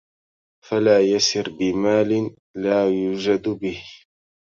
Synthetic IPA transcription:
falaːjasɪɾbɪmaːlɪn | laːjuːd͡ʒad̪bɪh

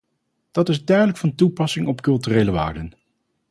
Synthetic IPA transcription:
d̥ɑtɪzdœɥdələkfɑntupɑsɪŋɔpkɵlˠtyːrejləʋa̰ːɹdən

